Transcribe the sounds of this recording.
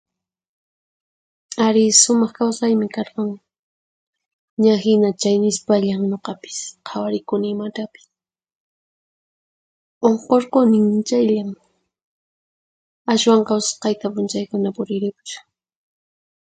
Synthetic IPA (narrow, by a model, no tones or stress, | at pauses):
aɾɪʃʊmɑχkawsajmɪkɑɾqɑŋ | ɲahɪnat͡ʃajnɪspaʎaŋɲoqɑpɪ̥sqʰɑwaɾɪkʊnɪːmat̪apɪ̥s | oɴqoɾqonɪŋnt͡ʃajʎaŋ | aʃwaŋqɑwsḁsqɑjt̪apʊnt͡ʃajkʊnapʊɾɪɾɪkt͡ʃʊ̥